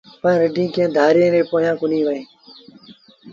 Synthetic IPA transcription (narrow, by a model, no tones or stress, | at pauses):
pəɳɾəɖĩːkẽːd̪ʱaːɾjẽːɾeːpoːɦjãːkʊnĩːʋəẽː